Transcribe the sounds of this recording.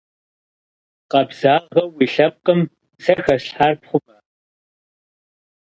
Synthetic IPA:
qɐbz̥aːʁɐwiːɬɐp̚qʼəm | sɐxɐɕħarpχʷʊbɐ

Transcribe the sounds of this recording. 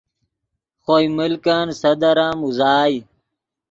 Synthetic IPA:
xoːiməlkaːnsɐd̪əɾãːmuzaːji

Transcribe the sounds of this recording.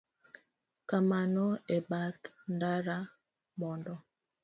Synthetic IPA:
kamanɔebatndaɾa | mɔndɔ

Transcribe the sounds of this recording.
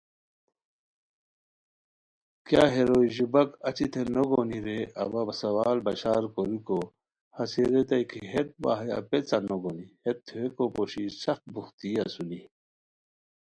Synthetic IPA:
kjaɦeɾoiʑubɐkɐt͡ɕit̪ʰenoɡoniɾeɐ̰basɐwaːlbɐɕaːɾkoɾiko | hɐseɾet̪ɐjkʰiɦet̪̚ba̰ɦɐja̰pet͡sanoɡonihet̪ːʰeekopoɕisɐxt̪̚buxt̪iɐsuni

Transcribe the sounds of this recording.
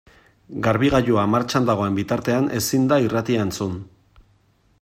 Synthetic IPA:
ɡaɾβiɣaʎuamaɾt͡ʃand̪aɣ̞o̞e̞mbit̪aɾt̪e̞anʔe̞sind̪airat̪iaent͡sun

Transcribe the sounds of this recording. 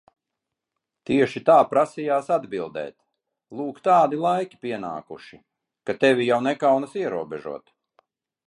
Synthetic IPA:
t̪iɛʃit̪aːpɾasijaːsad̪bilˠd̪ɛ̰ːt̪ | lˠuːkt̪aːd̪ilˠajkʲi̥pʲiɛna̰ːkuʃi | kat̪ɛvʲijawnɛkawnasiɛɾuɔbɛʒṵɔt̪

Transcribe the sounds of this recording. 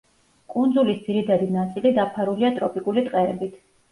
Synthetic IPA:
kʼund̪zulisd̪z̥iɾit̪ʰad̪inat̪sʼilid̪apʰaɾuliat̪ʼɾɔpʼikʼulit̪ʼqʼɛɛbit̪ʰ

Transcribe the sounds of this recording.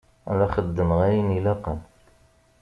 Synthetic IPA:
æ̰læχəd̪ːəməʁæjinilæqən

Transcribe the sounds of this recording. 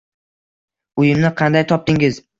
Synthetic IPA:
ʊjɪmnɪqʰɑnd̪ajt̪ʰɒp̚t̪ɪŋɪz

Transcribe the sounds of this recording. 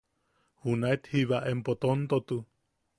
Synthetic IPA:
hunaet̪hiβaʔempot̪ont̪ot̪u

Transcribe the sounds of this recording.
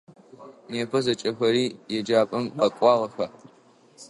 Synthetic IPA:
neːpʰɐzɐt͡ʃʼɐxʷɐɾiːjɛd͡ʒaːpʼɨmɐkʷʼɑːʁɐxɐ

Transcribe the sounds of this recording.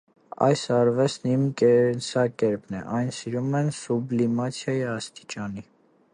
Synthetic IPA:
ɑ̰jsɑɾvɛsnimkɛnsɑkɛɾpnɛ̰ʔɑjnsiɾumɛnsublimɑt͡sʰjɑjiɑst̪i̥t͡ʃɑni

